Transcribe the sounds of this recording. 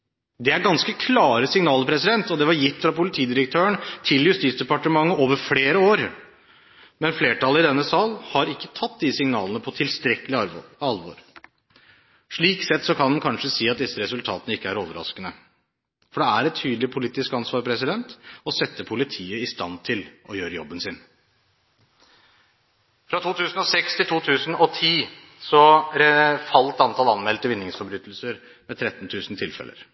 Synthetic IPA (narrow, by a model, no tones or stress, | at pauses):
d̪ɛæɾɡɑnskəkʰlɑːɾəsɪŋnɑːləɾpʰɾɛsɪd̪ɛnt̪ɔd̪ɛʋɑɾjɪt̪ːfɾɑpʊlɪt̪ʰiːd̪ɪɾək̚t̪ʰøːəɳt̪ʰɪljʉst̪iːt̪sd̪ɛpɑʈəmɑŋːəʔoːʋəɾfleːɾəoːɾ | mɛnfleːʈʰɑləɾɪd̪ɛnːəsɑːlhɑɾɪkːət̪ʰɑt̪̚ːd̪ɪsɪŋnɑ̰ːlənəpʰɔt̪ʰɪlst̪ɾɛkəlɪɑɾɑlʋo̰ɾ | ʂɭiːksɛt̪ːsɔkʰɑnhɑnkʰɑnʂəsiːɑt̪̚d̪ɪsːəɾɛsʉlt̪ʰɑ̰ːt̪ənəɪkːəæɾoːʋəɾɑ̰skənə | fɔɖɛæɾɛt̪ʰyːd̪əlɪpʰʊliːt̪ɪskɑnsʋɑːɾpʰɾɛsɪd̪ɛnt̪ɔsɛt̪ːəpʰʊlɪt̪ʰiːəɪst̪ɑnt̪ʰɪlʔɔjøːɾəjɔbːənsɪn | fɾɑt̪ʰuːt̪ʰʉːsn̩ɔsɛkst̪ʰɪlt̪ʰuːt̪ʰʉːsn̩ɔt̪ʰiː | sɔɾɛfɑlt̪ɑnt̪ʰɑlɑnmɛlt̪əʋɪnːɪŋsfɔɾbɾyːt̪əl̩səɾ | mɛt̪ʰɾɛt̪ːnt̪ʰʉːsnt̪ʰɪlfɛ̰lʔə̰ɾ